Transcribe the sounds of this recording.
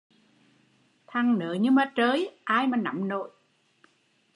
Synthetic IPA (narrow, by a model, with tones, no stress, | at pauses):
t̪ʰa˨˩ŋnɨ̰˨˦ɲɨ˧maː˨˩t͡ɕəː˨˦jʔaː˧jmaː˨˩na̰˧˨mno̰˧˨j